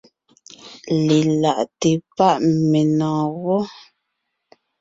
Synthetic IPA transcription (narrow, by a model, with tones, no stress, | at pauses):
le˨la˨ʔte˨pa˦ʔme˨nɔ̃ː˨wɔ˦